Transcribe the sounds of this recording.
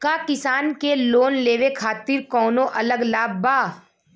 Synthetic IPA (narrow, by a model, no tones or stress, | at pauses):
kakɪsaːnkeloːnleːʋekʰaːt̪ɪɾkɔːnõʔɐləɡlaːbbaː